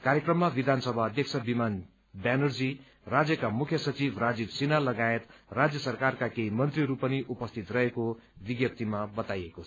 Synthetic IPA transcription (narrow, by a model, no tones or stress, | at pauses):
kaɾjekrʌmːabid̪ʱansʌbʱaːd̪jʌk̚sʰʌbiman | banʌrd͡zi | rad͡zjʌkamukʰjʌsʌt͡sibʱrad͡zibsinalʌɡaet̪rad͡zjʌsʌrkarkakeimʌnt̪riɾupʌniʔupʌst̪ʰit̪rʌekobiɡjʌp̚t̪imabʌt̪ajeko